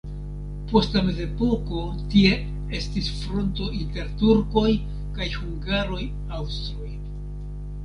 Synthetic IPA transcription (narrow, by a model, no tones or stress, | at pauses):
po̞stlame̞ze̞po̞ko̞ | tie̞ | e̞stisfɾo̞nto̞ʔinte̞ɾtuɾko̞j | kajhuŋɡaɾo̞j | awstɾoj